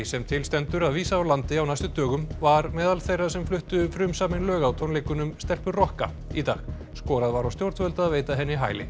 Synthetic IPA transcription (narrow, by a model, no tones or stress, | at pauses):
sɛmt̪ʰɪlst̪ɛnt̪ʏɾaðviːsaːwlant̪ɪawnajst̪ʏt̪œːɣʏmvaɾmɛːðalθejrːasɛmflʏht̪ʏfɾʏmsaːmɪnlœːɣawt̪ʰɔnlejkʏnʏmst̪ɛlpʏɾrɔhka̰ | it̪a̰ːɣ | skɔːɾaðvaɾawst̪jowɾt̪vœlt̪aːðveːjt̪aɦɛnːɪɦa̰ːjlɪ̰